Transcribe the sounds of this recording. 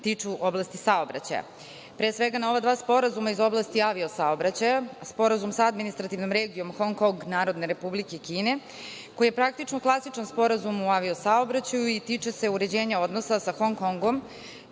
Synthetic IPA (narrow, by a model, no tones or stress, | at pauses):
t̪it͡ʂuʔoblast̪isaobɾa̰t͡ɕa̰ja̰ | pɾesʋe̞ɡano̞ʋad̪ʋaːspo̞ɾazumaizo̞blˠast̪iaʋio̞saobɾat͡ɕajaspo̞ɾazumsaad̪minist̪ɾat̪iʋnomɾe̞ːɡio̞mxo̞ŋkoŋɡnaːɾod̪ne̞ɾe̞publike̞kiːne̞ | ko̞jije̞pɾak̚t̪it͡ʂnoklˠasit͡ʂanspo̞ɾazumuaʋio̞sao̞bɾat͡ɕajuit̪iːt͡ʂese̞uɾe̞d͡ʑe̞ːɲao̞d̪no̞sasaxo̞ŋko̞ŋɡom